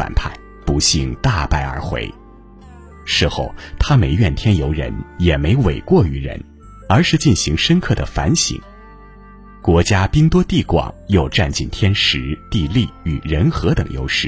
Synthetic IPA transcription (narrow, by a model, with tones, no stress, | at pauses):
fa̰˨˩npʰa˥˩ɪ | pu˧˥ɕi˥˧ŋt̪a˥˧pa˥˩ɪə̰˞˧˥xwḛ˧˥ɪ | ʂɻ̩˥˧xo˥˩ʊt̪ʰa˥me˧˥ɪɥɛ˥˩nt̪ʰjɛ˥njo˧˥ʊɻə̰˧˥njɛ˨˩me˧˥ɪwe˨˩ɪkwɔ˥˩y˧˥ɻə̰˧˥n | ə˞˧˥ʂɻ̩˥˧t͡ɕi˥˩nɕi˧˥ŋʂə˥nkʰɤ˥˩d̪ə˩fa̰˧˥nɕḭ˧˥ŋ | kwɔ˧˥t͡ɕja˥pi˥ŋt̪wɔ˥t̪i˥˩kwɑ̰˨˩ŋjo˥˧ʊʈ͡ʂa˥˧nt͡ɕi˥˩nt̪ʰjɛ˥nʂɻ̩˧˥t̪i˥˧li˥˩y˨˩ɻə˧˥nxɤ˧˥t̪ɤ˨˩ŋjo̰˥ʊʂɻ̩˥˩